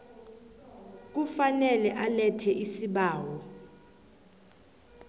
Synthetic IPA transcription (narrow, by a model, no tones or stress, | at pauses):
k̬ufanɛlɛʔalɛtʰɛʔisiɓaːwɔ